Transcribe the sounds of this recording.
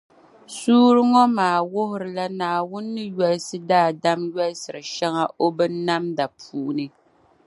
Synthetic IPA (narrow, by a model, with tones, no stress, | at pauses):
suː˦ɾɨ˦ŋɔ˦maː˨wʊ˦ɦʊ˨ɾɨ˨la˦naː˨wʊ˦nːɨ˦jɛ˦lsɨ˦daː˦˨da˦mɥɛ˦lsɨ˨ɾɨ˨ʃɛ˦ŋa˦ʔo˦bɨ˦nːa˦mda˨pʰuː˦˨ʔnɨ˦